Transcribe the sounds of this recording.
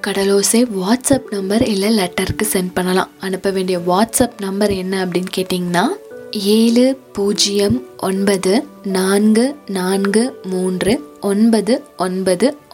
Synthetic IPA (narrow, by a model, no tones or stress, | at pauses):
kɐɽɐloːseːʋaːʈsɐpnɐmbɐɾɪlːɐlɛʈːɐɾkːɯsɛnɖpɐɳːɐlã̰ːɐnɯpːɐʋeːɳɖɪjɐʋaːʈsɐpnɐmbɐɾɛnːɐɐpːɐɽɪnkeːʈːiːŋɡɐnːaːeːlɯpuːd͡ʒɪjɐmʔɔnbɐðɯnaːnɡɯnaːnɡɯmuːndrɯʔɔnbɐðɯɔnbɐðɯ